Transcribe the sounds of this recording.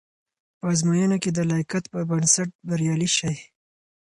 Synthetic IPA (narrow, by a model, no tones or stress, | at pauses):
pəɑzmajənaked̪əlɑjkat̪pəbənsaʈ̚baɾjɑliʃaj